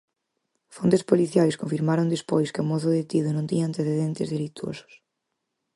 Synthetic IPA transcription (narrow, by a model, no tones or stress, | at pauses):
font̪espoliθjajskõɱfiɾmaɾõnd̪espojskɪomɔθʊðet̪iðʊnõnt̪iɲaːnt̪eθeðent̪ḛzðelit̪wo̰sʊ̥s